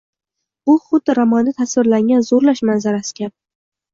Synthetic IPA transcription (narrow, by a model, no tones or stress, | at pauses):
bʊχʊd̪ːɪɾamɒnd̪ɪt̪ʰasvɪɾlaŋɡʲanzoɾlaʃmanzaɾasɪ̥kʲʰa